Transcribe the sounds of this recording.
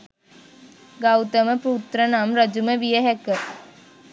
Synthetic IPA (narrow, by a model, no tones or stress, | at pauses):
ɡawt̪əməput̪rənamɾɐd͡ʒuməʋijəɦɛkə